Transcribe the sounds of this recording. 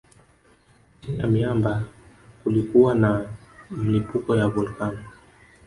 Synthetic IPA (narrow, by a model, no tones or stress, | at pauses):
ina̰miamba | kulikuwanam̩lipukɔjaβulkanɔ